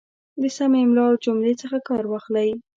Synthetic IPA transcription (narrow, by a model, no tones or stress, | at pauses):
d̪əsamemlɑld͡ʒomlet͡səxakɑɾwɑxlaj